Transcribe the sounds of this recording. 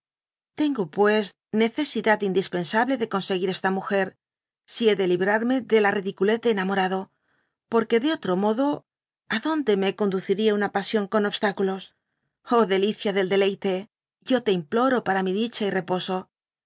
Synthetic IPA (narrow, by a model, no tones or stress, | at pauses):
t̪e̞ŋɡopwe̞s | ne̞θe̞siðat̪ind̪ispe̞nsaβle̞ðe̞ko̞nse̞ɣiɾe̞st̪amuxe̞ɾ | sie̞ðe̞liβɾaɾme̞ðe̞lariðikule̞θd̪enamo̞ɾaðo̞ | po̞ɾke̞ðeo̞t̪ɾo̞mo̞ðo̞ | aðo̞nd̪e̞meko̞nd̪uθiɾieunapasjo̞ŋko̞no̞βst̪akulo̞s | o̞ðe̞liθjaðe̞ld̪e̞le̞jt̪e̞ | ʝo̞t̪e̞implo̞ɾo̞paɾamiðit͡ʃaire̞po̞so̞